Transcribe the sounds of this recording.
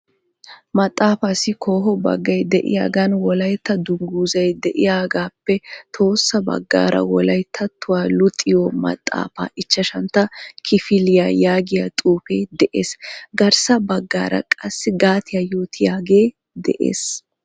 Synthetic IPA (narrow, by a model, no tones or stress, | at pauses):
mɐt̪ʼːaːfasɪkʰo̞ːɦɔbɐ̰ɡːɐjd̪ɛʔɪ̰ja̰ːɡɐnwɔlɐjt̪ːɐd̪ʊŋɡuːzɐjd̪ɛʔɪjaːɡaːpːɛt̪ʰo̞ːsːɐbɐ̰ɡːa̰ːɾɐ̰wɔlɐjt̪ʰːɐt̪ʰːʊwaːlʊt̪ʼːɪjɔmɐ̰t̪ʼːa̰ːfa̰ːʔɪt͡ʃːɐʃɐnt̪ːɐkʰɪfɪlɪjaːjaːɡɪjat̪ʼuːpeːd̪ɛʔḛːsɡɐɾsɐbɐɡːa̰ːɾɐ̰kʼɐsːɪɡaːt̪ʰɪjajo̞ːt̪ʰɪjaːɡeː | d̪ɛ̰ʔḛːs